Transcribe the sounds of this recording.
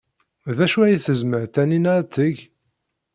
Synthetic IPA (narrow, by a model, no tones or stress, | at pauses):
ðæʃuæjiθəzməʕt̪æninaɾt̪ːəʝ